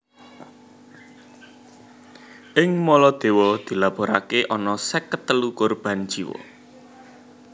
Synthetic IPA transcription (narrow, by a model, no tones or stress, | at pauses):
ʔɪŋmɔlɔd̪̥e̤wɔd̪̥i̤lab̥o̤ɾa̰keʔɔnɔsɛkət̪ːəlukʊrb̥a̤nd̥ʒ̥i̤wɔ̰